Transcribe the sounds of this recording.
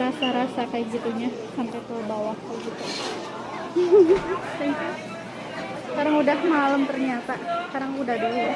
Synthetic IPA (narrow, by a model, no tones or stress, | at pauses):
ɾasaɾasakajaɡit̪uɲa | sampɛt̪əbawahkajɡit̪u | saŋka | skaɾaŋudahmaləmt̪ərɲat̪akaɾaŋudahdolu